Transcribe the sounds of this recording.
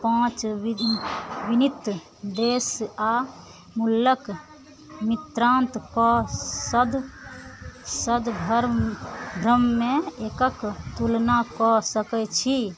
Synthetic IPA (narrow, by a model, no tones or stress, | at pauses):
pãt͡ʃ | ʋinit̪ | d̪esa | mulːək | mit̪ɾãnt̪kɔsəd̪ | səd̪bʱəɾbʱɾəmːẽekəkt̪ulnakɔsəkɛt͡ʃʰi